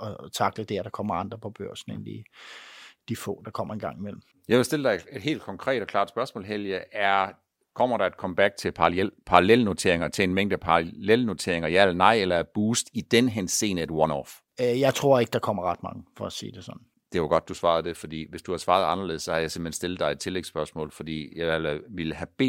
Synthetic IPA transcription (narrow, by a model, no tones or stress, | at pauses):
ɒt͡sʰɑ̈ɡ̥̚d̥əd̥æɐɾ̥ɑ̈kʰɒ̽m̰ɐɑ̈nd̥ʁɐpʰɒ̽b̥ɶɐ̰sn̩ḛnd̥i | d̥ifɔ̰̽ːd̥ɑ̈kʰɒ̽m̰ɐenɡ̥ɑ̈ŋ̰imel̰m̩ | jɑ̈ɪʋe̝sd̥e̝ləd̥ɑ̈ɪe̝d̥ɦe̝̰ːld̥kʰɒ̽ŋkʰʁɛ̰ːd̥ɒkʰlɑ̰̈ːd̥sb̥ɶɐsmɔ̰ːlɦeljəʔæɐ | kʰɒ̽m̰ɐɾ̥ɑ̈æd̥̚kʰɒ̽məb̥æɡ̥̚t͡sʰe̝lpʰɑ̈pʰɑ̈ɑlelno̝t͡sʰe̝̰ɐ̰e̝ŋɐt͡sʰe̝enmeŋ̰d̥æpʰleləno̝t͡sʰe̝ɐeŋɐiæl̰nɑ̈ɪ̰elɐæb̥uːsd̥id̥enəɦense̝̰ːnəed̥wɒnɒ̰f | jɑ̈ɪt͡sʰʁo̝ɐ̰e̝ɡ̥əd̥ɑkʰɒm̰ɐʁɑ̈d̥mɑ̈ŋəfɒ̽æsḭːd̥e̝sɒ̽n | d̥e̝ʋɑɡ̥ɒ̽d̥̚ːusʋɑ̈ːð̞̩ˠd̥e̝fɒ̽d̥ḭːʋe̝sd̥uhɑ̈sʋɑ̈ːð̞̩ˠɑ̈nɐle̝ð̩ˠsɒ̽hɑ̈jɑ̈ɪsem̥̩hensd̥e̝lð̩̥ˠɑ̈ɪed̥̚t͡sʰe̝leɡ̥sb̥ɶɐsmɔ̰̽ːlfɒ̽d̥ḭːjɑɪælʋiləɦæb̥e̝̰ː